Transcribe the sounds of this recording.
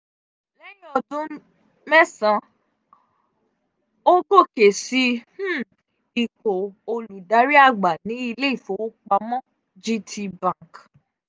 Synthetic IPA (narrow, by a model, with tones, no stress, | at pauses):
lɛ˦j̃ɔ˧˨dũ˦ | mɛ˦sã˧ | o˦ɡo˦˨ke˨si˧h̩˦˨ | i˨ko˨o˧lu˨da˨˦ɾi˦a˦˨ɡ͡ba˨nĩ˨˦i˧le˦i˦˨fo˨˦wo˦k͡pa˧mɔ̃˦ | d͡ʒi˦tʰi˧bã˦˨k